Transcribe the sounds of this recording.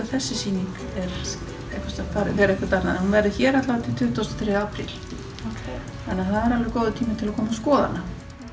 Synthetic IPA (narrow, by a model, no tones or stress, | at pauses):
aθɛsːɪsiːniŋk | ɛɾ | ehkvḁst̪aθaɾðɛɾehkvast̪aɾna̰ðhunvɛɾðɪçɛːɾat̪lavat̪ʰɪlt̪ʰʏːht̪ast̪ɔθɾɛːaːpɾḭl̥ | anːaθaðɛɾalɾɛkoːwðʏt̪ʰiːmɪt̪ʰɪlakʰɔːmaskɔːða̰na